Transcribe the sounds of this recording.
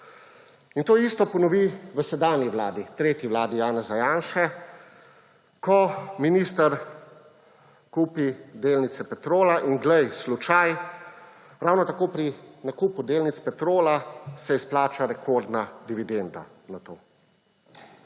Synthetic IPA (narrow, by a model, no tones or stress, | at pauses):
int̪oːist̪ɔpɔnɔʋiʋəsɛd̪aːnjiʋlaːd̪it̪ɾeːt̪jiʋlaːd̪ijaːnɛzajaːnʃɛ | kɔminist̪ɐɾ | kuːpid̪eːlnit̪sɛpɛt̪ɾoːlaʔinɡlɛjslut͡ʃaj | ɾawnɔt̪akoːpɾinakuːpud̪eːlnit̪spɛt̪ɾoːlasɛisplaːt͡ʃaɾɛkʰoɾd̪nad̪iʋid̪end̪a̰ | nat̪o̰ː